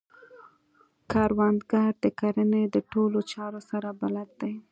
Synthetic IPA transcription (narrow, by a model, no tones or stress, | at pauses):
kɑɾwand̪ɡɑɾd̪əkaɾəned̪əʈolot͡ʃɑɾosaɾabalad̪̚d̪aj